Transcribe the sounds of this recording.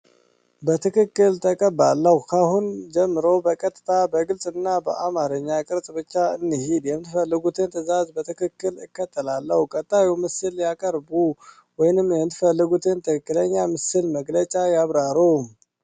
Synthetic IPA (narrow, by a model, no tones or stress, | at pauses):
bət̪ʰɨkɨkːɨlt̪ʰəkʼəbalːəhukʰahund͡ʒɛmːɨɾowbəkʼət̪ʼːɨt̪ʰabəɡɨlsʼɨnːabəʔamaɾɨɲːakʼɨɾsʼbɨt͡ʃːaɨnːihid̪jɛmɨt̪ɨfəlːɨɡut̪ʰɨnt̪ʰɨzazbət̪ʰɨkʰɨkːɨlɨkːət̪ʰːəlalːəhukʼət̪ʼːajiwmɨsɨljakʼəɾbu | wɔjnɨmjɛmɨt̪ʰɨfəlːɨɡut̪ʰɨnt̪ʰɨkɨkʼːɨləɲːamɨsɨlməɡlət͡ʃʼajaβɾaɾu